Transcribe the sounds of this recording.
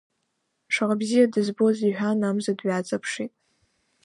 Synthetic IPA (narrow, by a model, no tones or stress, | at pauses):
ʂʰaʁabzijadɨzbo̞ziħᶣanamzadɥat͡sʼapʰʂitʼ